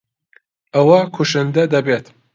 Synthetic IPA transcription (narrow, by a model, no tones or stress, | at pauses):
ɐwɐkʰuʃɨnd̪ɐd̪ɐbet̪